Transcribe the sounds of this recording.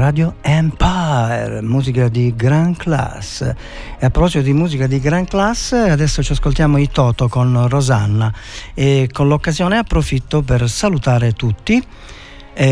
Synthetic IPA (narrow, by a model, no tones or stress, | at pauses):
ɾaːd̪joɛmpaɛɾmuːzikad̪iɡɾaŋkla̰s | ɛapːɾɔpɔsimod̪imuːzikad̪iɡɾaŋklasːad̪ɛsːot͡ʃaskolt̪jaːmoit̪ɔːt̪okonrɔzanːaɛkonlokːazjɔːnɛapːɾofit̪ːop̬ɛɾsalut̪aːɾet̪ut̪ːi